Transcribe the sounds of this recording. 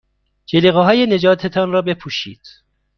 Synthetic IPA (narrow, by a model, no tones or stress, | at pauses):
d͡ʒeliːɣeɦɒːjene̞d͡ʒɒːt̪ʰet̪ʰɒnrɒːbe̞pʰuːʃḭːd̪̥